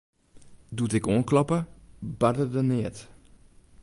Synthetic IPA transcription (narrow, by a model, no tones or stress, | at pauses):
dutɪkoənklɔpəbadədənɪət